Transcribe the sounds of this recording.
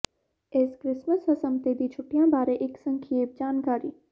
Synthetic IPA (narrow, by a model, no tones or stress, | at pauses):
eːskɾɪsməsɦɐsəmt̪ed̪it͡ʃʰʊʈjãbaːɾeʔɪksə̃ŋkʰːeːp̚d͡ʒaːnkaːɾḭː